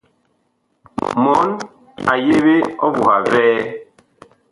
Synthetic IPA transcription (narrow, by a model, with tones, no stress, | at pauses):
mɔ˨˦n | a̰˨je˦βe˦ɔ˦βu˨ha˨vɛː˦